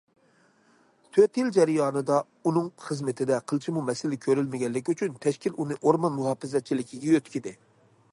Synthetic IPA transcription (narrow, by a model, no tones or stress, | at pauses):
t̪ʰøt̪jild͡ʒɛɾɪjɑːnɨd̪ɑ | unɨŋχəzmɪt̪ʰɪd̪ɛqʰəlˠt͡ʃʰimumɛsɪlɪkʲʰøɾylmɪɡʲɛlːɪkʲyt͡ʃʰynt̪ʰɛʃkʲilunɨʔoɾmɑnmuɦɑːfɪzɛt͡ʃʰilɪkʲʰiɡʲɛjøt̪kʲid̪ɪ